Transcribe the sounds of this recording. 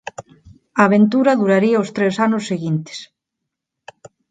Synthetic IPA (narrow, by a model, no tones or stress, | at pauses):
aːβent̪uɾɐðuɾaɾiaost̪ɾesanʊsːeɣint̪e̥s